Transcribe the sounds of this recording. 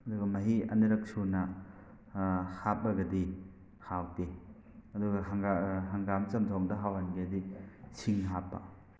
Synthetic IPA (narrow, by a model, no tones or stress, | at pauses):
ɐduɡɐmɐɦiɐ̰niɾɐk̚sunɐ | hap̚ːɐɡɐdi | hawde | ɐduɡɐɦaŋaɦaŋɡamt͡ʃɐmtʰɔŋdɐɦawanɡedisʰiŋɦapːɐ̰